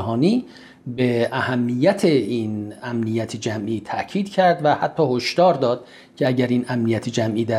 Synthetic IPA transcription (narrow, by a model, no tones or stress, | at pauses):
ɦɒːniː | beʔæhæmːijæt̪ʰeiːnæmnijæt̪ʰed͡ʒæmʔiːt̪ʰæʔcʰiːd̪̥cʰæɾd̪væhæt̪ʰːɒːhoʃd̪ɒːɾd̪ɒːd̪̥̚ | cʰeæɟæɾiːnæmnijæt̪ʰed͡ʒæmʔiːd̪æ